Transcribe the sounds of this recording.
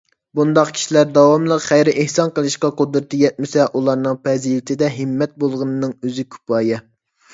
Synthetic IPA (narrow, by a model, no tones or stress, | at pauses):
bund̪ɑqkʲʰi̥ʃilæɾd̪ɑwɑmlˠəqχæjɾɪʔehsɑnqəlˠɨʃqɑqod̪ɾɨt̪ʰɨjɛt̪̚mɪsɛʔulˠɑɾnɨŋpʰɛzilɪt̪ʰɪd̪ɛɦɪmːɛt̪̚bolˠʁənɨnɨŋøzɪkʲʰy̥pɑːjɛ